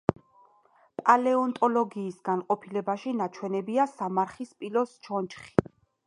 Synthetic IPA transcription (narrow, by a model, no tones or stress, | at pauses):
pʼalɛɔnt̪ʼɔlɔɡiːsɡ̥anqʼɔpʰilɛbaʃinat͡ʃʰwɛnɛbiasamaɾχispʼilɔst͡ʃʰɔnt͡ʃχi̥